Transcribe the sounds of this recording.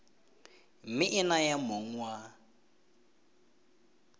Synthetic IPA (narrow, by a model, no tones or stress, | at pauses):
mɪʔɪnajamoŋ̩wa